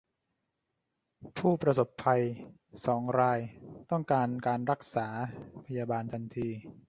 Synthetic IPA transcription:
pʰuː˥˩pɾa˧so˨˩pʰːa˧j | sɔː˩˦ŋɾaː˧jt̪ɔ˥˩ŋkaː˧nkaː˧nɾa˦˥k̚saː˩˦pʰa˧jaː˧baː˧nt̪ʰa˧nt̪ʰiː˧

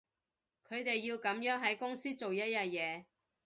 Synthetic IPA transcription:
kʰɵ˨˧ɥt̪e˨jːiː˧wkɐ˨˥mjœː˨˥ŋɦɐ˨˥jkʊ˥ŋsiː˥t͡so˨wjɐ˥t̚jɐ˧t̚jɛː˨˧

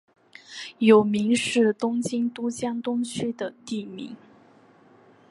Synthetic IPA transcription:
jo˨˩ʊmi˧˥ŋʂɻ̩˥˩t̪ʊ˥ŋt͡ɕi˥ŋt̪u˥t͡ɕjɑ˥ŋt̪ʊ˥ŋt͡ɕʰy˥d̪ə˨t̪i˥˩mḭ˧˥ŋ

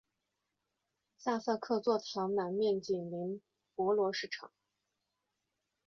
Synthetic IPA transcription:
sa˥˧sə˥˧kʰɤ˥˧t͡swɔ˥˩t̪ʰjɑ˧˥ʊnə˧˩ŋmjɛ˥˧nt͡ɕi˨˩nli˧˥n | pwɔ˧˥lwɔ˧˥ʂɻ̩˥˩ʈ͡ʂʰɑ̰˨˩˦ŋ

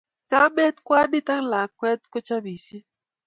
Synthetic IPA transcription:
ka˦bɛ˦t̪kwa˦di˦ta˦ŋla˨kwɛ˦t̪̚ko˦t͡ʃa˦bi˨si˦

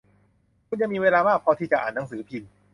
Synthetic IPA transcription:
kʰu˧nja˧ŋmiː˧weː˧laː˧maː˥˩k̚pʰɔ˧t̪ʰiː˥˩t͡ɕa˨˩ʔaː˨˩nːa˧˦ŋsɯː˩˦pʰi˧n

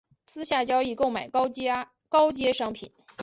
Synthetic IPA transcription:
sɹ̩˥ɕja˥˩t͡ɕjɑ˥ʊi˥˧ko˥˩ʊma˨˩ɪ˥ | kɑ˥ʊt͡ɕjɛ˥ʂɑ˥ŋpʰḭ˨˩˦n

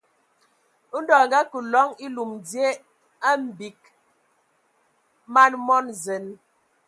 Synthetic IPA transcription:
u˦n˦dɔ˨ŋ˨ɡa˦ku˨lɔ˨˦ŋi˦lu˨mdje˦ | a˦m̩˨bi˨k̚ | ma˦nmɔ˦nze˨n

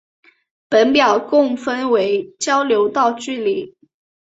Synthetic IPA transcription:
pə˧˥npjɑ˨˩ʊkʊ˥˩ŋfə˥nwe˧˥ɪt͡ɕjɑ˥ʊljo˧˥ʊt̪ɑ˥˧ʊt͡ɕy˥˩li˨˩˦

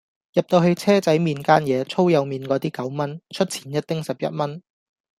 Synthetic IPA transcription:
jɐ˨p̚t̪o˧wɦe˧ɥt͡sʰɛː˥t͡sɐ˨˥jmiː˨˧nkaː˥njɛː˨˧t͡sʰo˥wjɐ˨˧wmiː˨nkɔː˨˧t̪iː˥kɐ˨˥wmɐ˥nt͡ʃʰɵ˥t̚t͡sʰiː˨˩njɐ˥t̚t̪ɪ˥ŋsɐ˨p̚jɐ̰˥t̚mɐ˥n

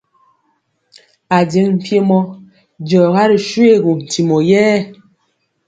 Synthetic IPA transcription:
a˨de˨˦ŋm̩˦˨pje˦mɔ˦ | d͡ʒɔ˨ɣa˦ɾi˨ʃwe˦˨ɣo˨n̩˨ti˨mɔ˨jɛː˦˨

